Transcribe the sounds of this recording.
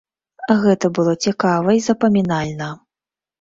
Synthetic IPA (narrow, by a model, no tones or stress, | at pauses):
ɣɛt̪ɐbɨlˠɔt͡sʲɛkavɐizɐpɐmʲinalʲnɐ